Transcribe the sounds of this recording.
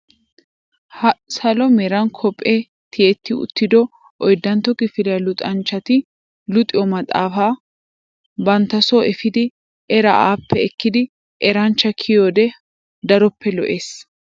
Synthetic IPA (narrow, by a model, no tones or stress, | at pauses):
hsɐlɔmɛɾɐnkʰɔpʼːe | t̪ʰɪeːt̪ːɪʊ̰t̪ːɪd̪ɔ | ʔɔjd̪ːɐnt̪ːɔkʼɪfɪlɐlʊt̪ʼɐnt͡ʃːɐt̪ɪ | lʊt̪ʼɪjɔmɐt̪ʼa̰ːfaː | bɐnt̪ːɐsoʔɛfɪd̪ɪ | ɛɾɐʔa̰ːpːɛɛkːɪd̪ɪ | ʔɛɾɐnt͡ʃːɐkʰɪjoːd̪ɛ | d̪ɐɾɔpːɛlɔʔeːs